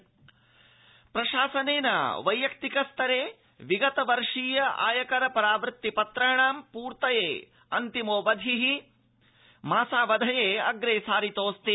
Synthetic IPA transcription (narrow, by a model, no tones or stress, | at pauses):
pɾɐʃaːsɐneːnɐ̰ʋɐjjɐk̚t̪ikɐst̪ʰɐɾeː | ʋiɡɐt̪ɐʋɐɾʂiːjɐʔa̰ːjɐkɐɾɐpɐɾaːʋɾɪt̪ːipɐt̪ɾɐjɐɳaːmpuːɾt̪ɐjeː | ɐnt̪imoːʋɐd̪ʱiɦi | maːsaːʋɐd̪ʱɐjeːɐ̰ɡɾeːsaːɾit̪oːst̪i